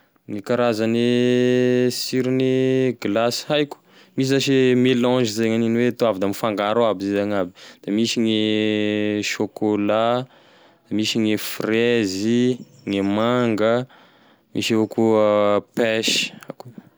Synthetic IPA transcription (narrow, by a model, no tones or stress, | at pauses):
ŋikaɾazane | siɾineɡlasi̥ajku̥ | mis̬izaʃimelɔ̃ʒizeɲaninwet̪oavid̪amifaŋɡaɾaabizizaɲabid̪̥amisiŋe | ʃokola | d̪̥amisiŋefreziŋemaŋɡə | mʔḭʃevokʰupɛʃi̥aku